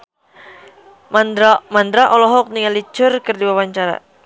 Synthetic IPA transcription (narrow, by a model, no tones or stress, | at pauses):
mand̪ɾaʔɔlɔɦɔk̚niŋalit͡ʃʊrkɨrdiwawaɲt͡ʃaɾa̰